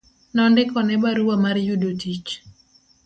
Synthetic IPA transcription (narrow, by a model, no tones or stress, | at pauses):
nɔndɪkɔnɛbaɾuwamaɾjudotit͡ʃ